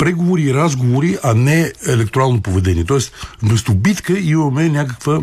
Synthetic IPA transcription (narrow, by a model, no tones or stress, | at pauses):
pɾɛɡovoɾiːɾazɡovoɾiʔanɛɛlɛkt̪oɾalˠnopovɛd̪ɛnʲiɛt̪ɔɛst̪vmɛst̪obit̪kəimɐmɛnʲakəkvə